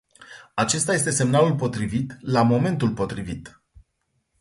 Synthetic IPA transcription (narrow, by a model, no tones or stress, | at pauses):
at͡ʃe̞st̪aje̞s̬t̪e̞se̞mnalulpo̞t̪ɾivit̪lamo̞me̞nt̪ulpo̞t̪ɾivit̪